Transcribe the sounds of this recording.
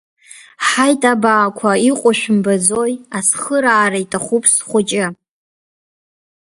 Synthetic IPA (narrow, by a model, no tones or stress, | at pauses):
ħajtʼabaːkʷʰaiqʷʼʊʃᶣʊmbad͡zojasχəɾaːɾaitʼʰaχʷupʰʼsχʷʊt͡ʃʼɪ